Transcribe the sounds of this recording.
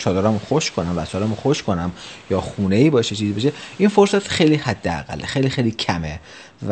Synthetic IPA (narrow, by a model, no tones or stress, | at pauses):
t͡ʃʰɒːd̪oɾæmoxoʃkʰonæmvæt͡ʃʰɒːɾæmoxoʃkʰo̞næmjɒːxuneiːbɒːjeʃet͡ʃʰizibeʃeinfoɾsæt̪xejliːhæd̪ːeæ̰ɣæ̰lːexejlixejlicʰæme | v